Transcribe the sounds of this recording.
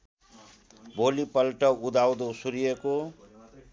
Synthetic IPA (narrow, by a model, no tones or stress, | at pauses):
bʱolipʌlʈʌud̪awd̪osuɾijeko